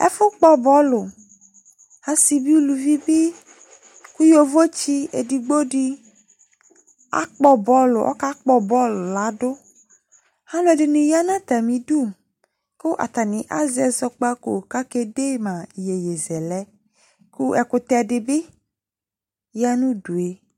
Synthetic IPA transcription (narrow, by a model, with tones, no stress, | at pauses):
ɛ̰˦fʊ˦k͡pɔ˦bɔ˦lʊ˨ | hã˦si˨bi˦lu˨vi˦bɪ˦ | ku˦jo˨vo˦t͡ʃi˦ḛ˨di˨ɡ͡bo˦ɖi˦ | a̰˦k͡pɔ˦bɔ˨˦lʊ˨ʔɔ̰˦ka˦k͡pɔ˦bɔ˦lʊ˨la˨˦dʊ˦ | hã˦lʊ˦ɛ˨dɪ˨nũ˨ja˦nã˦t̪a˨mĩ˨du˦˨ | kʊ˦ʔa̰˨t̪a˨nɪ̃˨ʔa̰˦zɛ˨zɔ˨k͡pa˦ko˨ka˦ke˦de˦mã˨je˨je˨zɛ˨lɛ˦ | ku˦ɛ˨kʊ˨t̪ɛ˨dɪ˨bɪ˦ | ja˦nũ˦du˨e˨